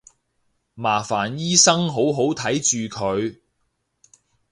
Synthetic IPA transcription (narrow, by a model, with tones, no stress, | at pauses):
maː˨˩faː˨˩njiː˥sɐ˥ŋɦo˨˥wɦo˨˥wt̪ʰɐ˨˥jt͡ʃyː˨kʰɵ˨˧ɥ